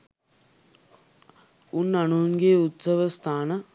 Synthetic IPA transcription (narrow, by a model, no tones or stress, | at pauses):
unːɐnuːnɡeːut̪sɐʋɐst̪ʰaːnɐ